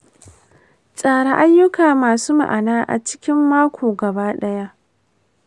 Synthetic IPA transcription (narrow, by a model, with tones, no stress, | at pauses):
t͡sʼaː˨ɽa˦ʔa˦jːʊ˦kaː˨maː˨suː˦ma̰˨ʔa˨naː˦ʔa̰˨t͡ʃɪ̥˦kʲɪ˦mːaː˦kʷoː˨ɡɐ˨baː˦ɗɐ˦ja˦ʔ